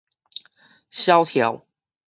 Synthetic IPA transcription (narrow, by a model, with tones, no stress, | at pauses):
ɕjɑ˥˦ʊt̪ʰjɑ˨˧˦ʊ